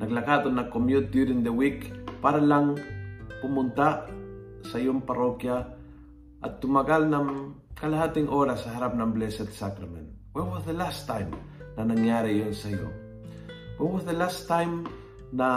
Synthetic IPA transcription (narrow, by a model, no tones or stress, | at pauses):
nʔaklakat̪onːakːomjud̪juɾiŋd̪əwikpaɾalaŋkumunt̪a | sajomparokja | ʔa̰t̪ːumakalnam | kalahat̪iŋʔoɾasahaɾap̚namblesɛt̪sakɾamḛ̃nt | wat̚wɔzðəlast̪ːãjm | nanaŋaɾijonsajṵ | wɛtwɔsðəlast̪ːajm | na